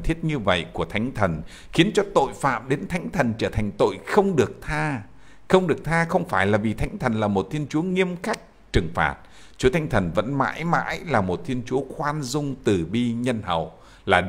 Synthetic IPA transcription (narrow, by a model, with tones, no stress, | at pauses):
t̪ʰi˦˥ət̚ɲɨ˧və̰˧˨jku˧˩ət̪ʰa˨˦jŋ̟t̪ʰə˨˩n | xi˨˦ənt͡ɕɔ˧t̪o̰˧˨jfa̰ː˧˨mɗe˨˦nt̪ʰa˨˦jŋ̟t̪ʰə˨˩nt͡ɕəː˧˩t̪ʰa˨˩jŋ̟t̪o̰˧˨jxə˧wŋ͡mɗɨ˨˩ək̚t̪ʰaː˧ | xə˧wŋ͡mɗɨ˨˩ək̚t̪ʰaː˧xə˧wŋ͡mfaː˧˩jlaː˨˩vi˨˩t̪ʰa˨˦ŋt̪ʰə˨˩nlaː˨˩mo˨˩t̚t̪ʰi˧ənt͡ɕu˨˦əŋi˧əmka˦˥jk̚ | t͡ɕɨ˨˩ŋfa̰ː˨˩t̚ | t͡ɕu˨˦ət̪ʰa˨˦ŋ̟t̪ʰə˨˩nvə̰˧˥nma̰ː˧˥jma̰ː˧˥jlaː˨˩mo˨˩t̚t̪ʰi˧ənt͡ɕu˨˦əxwaː˧nzʊ˧ŋ͡mt̪ɨ˨˩ɓi˧ɲə˧nhə̰˧˨w | laː˨˩